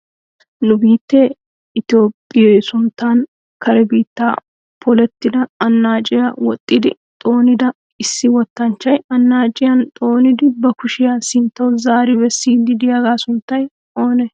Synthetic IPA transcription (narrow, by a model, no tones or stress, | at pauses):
nʊbiːt̪ːe | ɪt̪ɪjo̞ːpʼːɪjɛjsʊnt̪ːaːn | kɐɾɛbiːt̪ːaː | pʰɔlɛt̪ːɪd̪ɐɐnːaːt͡ʃʼɪjawɔt̪ʼːɪd̪ɪ̰ | t̪ʼo̞ːnɪd̪ɐ | ɪsːɪwɔt̪ːɐnt͡ʃːɐjɐnːaːt͡ʃʼɪjɐnt̪ʼo̞ːnɪd̪ɪbɐkʊʃɪjasɪnt̪ːɐwzaːɾɪbɛsːiːd̪ɪd̪ɪjaːɡaːsʊnt̪ːɐj | o̞ːnɛ